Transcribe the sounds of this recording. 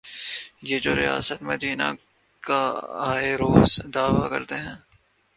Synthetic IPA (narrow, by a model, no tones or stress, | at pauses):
jeːd͡ʒoːɾɪja̰ːsət̪mɐd̪iːna̰ | kaaːeɾoːzd̪aːʋakɐ̰ɾt̪eɦɛ̃ː